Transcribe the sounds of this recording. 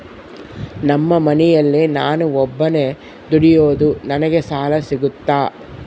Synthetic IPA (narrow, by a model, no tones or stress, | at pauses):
nɐmːɐmɐnɛjɐlːinaːnuɔbːɐne | d̪uɽijoːd̪unɐnɐɡesaːlɐsiɡut̪ːaː